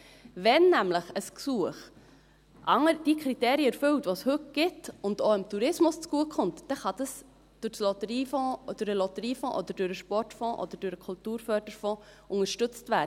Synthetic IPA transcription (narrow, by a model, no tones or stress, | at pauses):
vɛnːæmləχəsksuəχ | ʔɑŋəɾd̥ikʰɾiteːɾiəɛɾfɵwtʋoshɵt̚ɡ̥ɪtʊndoːɪmtuɾɪsmʊst͡sɡ̥uəkʰχʊntd̥ɛχɑd̥̪ɑs | d̥ʊɾslɔt̪əɾiːfɔ̃ːd̥ʊɾəlɔt̪əɾiːfɔ̃ːʔɔd̥̪əɾd̥ʊɾəʃpɔrtfɔ̃ːʔɔ̰d̥̪əd̥ʊɾəkʰʊltuːɾfœɾd̥əɾfɔ̃ːʔʊŋəʃtʏt͡stvæːə